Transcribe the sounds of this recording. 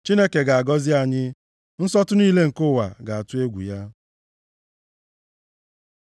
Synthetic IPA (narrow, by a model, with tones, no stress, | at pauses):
t͡ʃi˦ne˦ke˨ɡa˨a˨ɡɔ˦zɪ˦a˨ɲɪ˦ | n̩˦sɔ˦tʊ˦niː˦le˦ŋ̩˨kʊ˦˨wa̰˨ɡa˨a˨tʊ˦e˦ɡʷṵ˨ja˦